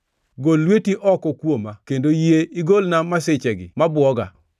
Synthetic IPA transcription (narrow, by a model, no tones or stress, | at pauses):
ɡolːwetiʔɔkɔkwomakendojeiɡolnamasɪt͡ʃɛɡɪ̰mabwɔɡa̰